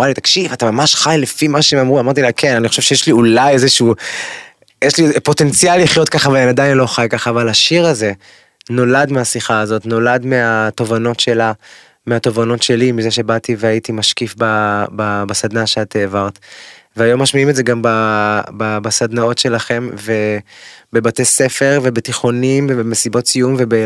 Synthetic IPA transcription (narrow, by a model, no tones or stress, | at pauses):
ʁalit̪ḁkʃivat̪amamaʃχajlefimaʃeemamʁuamaʁt̪̬ilakʰe̞naniχo̞ʃe̞vʃe̞jeʃliulajezeʃuː | jeʃlipo̞t̪e̞nt͡sijalːiχjo̞t̪̚kaχaveenad̪ainlo̞χajkaχaːvalaʃiʁaze̞ | no̞ladmeasiχaːzo̞t̪no̞ladmeato̞vano̞tʃe̞la | meato̞vano̞tʃe̞limizeʃe̞bativeajitimaʃkifbababasad̪naʃeat̪eːvaʁt̪veajo̞mːaʃmiimetzeɡambababasad̪nao̞tʃe̞laχe̞mve̞be̞batese̞fe̞ʁvebetiχo̞nimbebemesibo̞tt͡sijumve̞be